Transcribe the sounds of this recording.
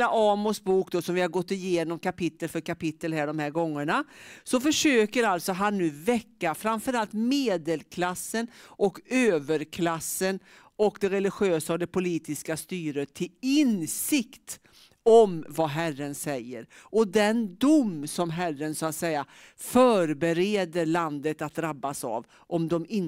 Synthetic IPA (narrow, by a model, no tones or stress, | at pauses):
aʔɑːmʊsbuːkd̪oːsɔmvɪhaɾɡɔt̪ːɪjeːnɔmkʰapɪt̪ːəlfœɾkapɪt̪ːəlhæːɖɔmhæːɾɡɔŋːəɳasɔfœʂøːkəɾalt̪sɔɦanːʉ̟ːvɛkːafɾamfœɾalt̪meːd̪əlkʰlasːənʔɔkøːvəɾkʰlasːən | ɔkd̪ɛɾɛlɪɧɪøːsaɔd̪ɛpʊliːt̪ɪskast̪yːɾət̪ʰːɪlɪnsɪkt̪ | ɔmvaɦærənsɛjːəɾʔɔd̪ɛnd̪ʊmsɔmɦærːənsɔat̪sɛja | fœːɾbɛɾeːd̪əɾɭand̪ət̪at̪̚d̪ɾabːasa̰v | ʔɔmd̪ɔmɪn